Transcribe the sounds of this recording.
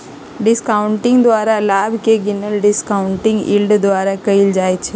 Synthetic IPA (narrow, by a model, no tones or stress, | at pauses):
ɖɪskaːʊɳʈɪ̃ŋɡd̪ʋaːɾalaːbkeɡɪnəlɖɪskaːʊɳʈɪ̃ŋɡḭːlɖd̪ʋaːɾakɐild͡ʒaːet͡ʃʰe